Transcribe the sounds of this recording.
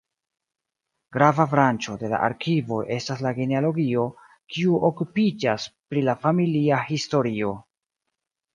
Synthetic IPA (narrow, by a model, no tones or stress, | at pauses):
ɡ̥ɾavafɾant͡ʃo̞de̞la̰ʔa̰ɾkivo̞ʔe̞staslaɡenealo̞ɡio̞ | kiuʔokupid͡ʒaspɾilafamiliahisto̞ɾio̞